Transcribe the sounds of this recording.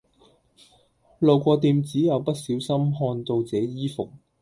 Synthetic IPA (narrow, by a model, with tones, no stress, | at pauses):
lo˨˩wkʷɔː˧t̪iː˧mt͡siː˨˥jɐ˨˧wpɐ˥t̚siː˨˥wsɐ˥mɦɔː˧nt̪o˧wt͡sɛː˨˥jiː˥fʊ˨k̚